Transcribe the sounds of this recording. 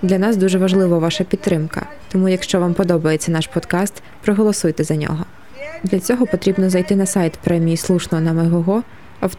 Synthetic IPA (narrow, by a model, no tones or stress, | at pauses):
d̪lʲɐnɑsd̪uʒɛʋɐʒlˠɪʋɔʋɑʃɐpʲit̪t̪ːɾɪmkɐ̰ | t̪ɔmujɐkʃt͡ʃɔʋampɔd̪ɔbɐjet͡sʲːɐnɑʃpɔd̪kɑst̪ | pɾɔɦɔlˠɔsujt̪ɛzɐnʲɔ̰ɦɔ | d̪lʲɐt͡sʲɔɦɔpɔt̪ɾʲibnɔzɐjt̪ɪnɐsajt̪pɾɛmʲijislˠuʃnɔɦɔnɐmɛɦɔɦɔ | ɐw